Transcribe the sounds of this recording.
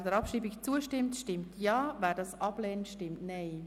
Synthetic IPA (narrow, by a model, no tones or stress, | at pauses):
dɛɾɑpʃriːbikt͡suəʃtɪmtʃtɪmtʰjɑːvɛːɾdɑsʔɑblɛːnəntʃtɪmtnɛɪ